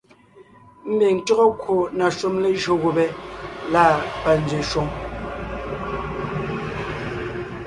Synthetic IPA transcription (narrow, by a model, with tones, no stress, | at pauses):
m̩˦be˨ŋ̩˨tɔ˦ɣɔ˦kwo˨na˨ʃu˦mle˦ʒɰo˨ɣo˨bɛ˦laː˦˨pa˨n̩˨˦d͡ʒɥe˨ʃwo˦ŋ